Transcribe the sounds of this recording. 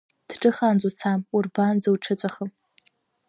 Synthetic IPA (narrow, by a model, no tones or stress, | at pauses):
d̥ʈ͡ʂʼɨχand͡zʷʼut͡sʰamurband͡zɨwʈ͡ʂʰɨt͡ɕʷʼaχəm